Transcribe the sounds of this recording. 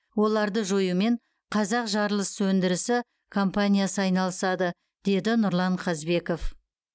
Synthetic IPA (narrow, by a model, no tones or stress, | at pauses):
wo̞lˠɑɾd̪əʒojume̞ɴ | qʰɑzɑqʒɑɾlˠəswɵnd̪ɪɾɪsɪ | kʰo̞mpanʲijasəɑjnɑlˠəsɑd̪ə | d̪e̞d̪ɪnʊɾlˠɑɴqʰɑzbe̞ko̞f